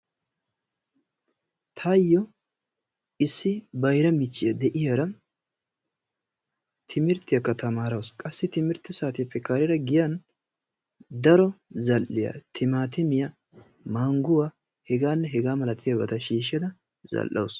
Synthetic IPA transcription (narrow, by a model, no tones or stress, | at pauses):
t̪ʰɐjːɔ | ɪsːɪbɐjɾɐmɪt͡ʃːɪjɐd̪ɛʔɪjɐɾɐ | t̪ʰɪmɪɾt̪ːɪjɐkːɐt̪ɐmaːɾɐwskʼɐsːɪt̪ɪmɪɾt̪ːɪsaːt̪ɪjɐpːɛkːaːɾɪɾɐɡɪjan | d̪ɐɾɔzɐlʔːɪja̰t̪ʰɪmaːt̪̬ɪmɪjɐ | maːŋɡʊwaː | hɛɡaːnːɛɦɛɡaːmɐlɐt̪ʰːɪjɐbɐt̪ɐʃiːʃɛd̪ɐ | zɐ̰lʔːɐ̰ws